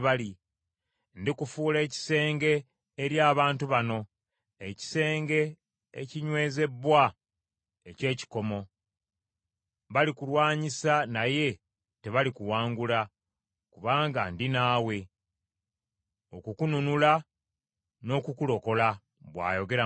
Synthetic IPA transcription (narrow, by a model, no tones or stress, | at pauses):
βali | ndikufuːle̞ːci̥se̞ːŋɡe̞ː | ɾjaːβaːntuβano̞ | eci̥se̞ːŋɡe̞̰ː | ciɲwe̞ːze̞bwa | ece̞ːci̥ko̞mo̞ | βalikulwaːɲisanaje̞ | te̞βalikuwaːŋɡula | kuβaːŋɡandinaːwe̞ | o̞kukununula | no̞kukulo̞ko̞la | βwa̰ːjo̞ɡe̞ɾa